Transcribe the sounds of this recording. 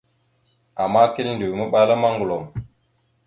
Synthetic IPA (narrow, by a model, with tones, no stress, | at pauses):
a˨ma˦ki˦lndi˨wmə˦ɓa˦la˦ma˦ŋɡu˨lo˨m